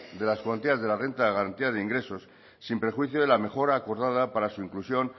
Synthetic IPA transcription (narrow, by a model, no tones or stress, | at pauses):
d̪e̞laskwant̪iazðe̞lare̞nt̪aeɣaɾant̪iaðeiŋɡɾe̞so̞sː | impɾe̞xwiθjoðe̞lame̞xo̞ɾaːko̞ɾðað̞apaɾasuiŋklusjo̞n